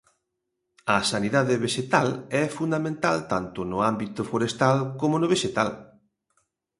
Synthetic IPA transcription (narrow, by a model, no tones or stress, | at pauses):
ɐsaniðaðɪβeʃet̪alɛfund̪amẽnt̪alt̪ant̪ʊnʊambit̪ʊfoɾest̪alkomʊnʊβ̞eʃet̪al